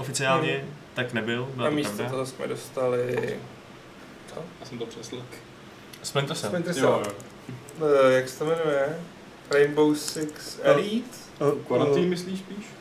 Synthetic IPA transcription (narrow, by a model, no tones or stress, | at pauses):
ʔofɪt͡sɪaːlɲɛt̪aknɛbɪlbɪlaamisɾatvd̪oat̪oɦosmɛ̰dost̪alɪ | t̪ʰaasɛmt̪opr̥ɛslɛk | spɛɲɾsɛspɛɲt̪ɾsɛl | jaksɛ̥t̪omɛnujɛ | ɾɛjmbowsɪksɛɾit̪ | kaimɪsliːʃspiːʃ